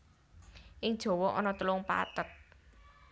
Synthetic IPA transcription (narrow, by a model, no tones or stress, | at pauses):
ʔɪŋd̥ʒ̥ɔ̤wɔʔɔ̰nɔt̪əlʊŋpa̰t̪ət̪̚